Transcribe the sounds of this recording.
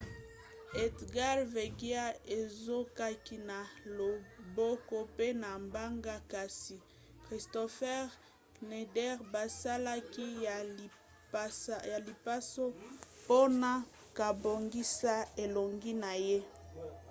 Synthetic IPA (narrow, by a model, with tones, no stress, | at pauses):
e˨dɡa˦ʁve˨ɡi˦a˦e˨zo˦ka˦ki˦na˨lo˨bo˦ko˦pe˦na˨mba˦ŋɡa˦ka˨si˨ | kʁi˨sto˨fɛ˦ʁ | ne˨dɛ˦ʁba˨sa˦la˦ki˦ja˨˦ | a˨li˨pa˦so˦po˦na˦ | ka˨bo˨ŋɡi˦sa˦e˨lo˨ŋɡi˦na˨je˦